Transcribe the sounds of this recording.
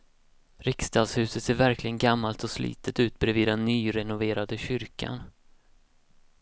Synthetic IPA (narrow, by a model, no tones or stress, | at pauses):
ɾɪkst̪ʰɑːd̪shʉ̟ːsət̪seːvæɾklɪɡənɡamːalt̪ɔslḭːt̪ʰət̪ʉ̟ːt̪̚bɾeːviːd̪ɛnːyːɾɛnʊveːɾad̪əɕʏɾkʰa̰n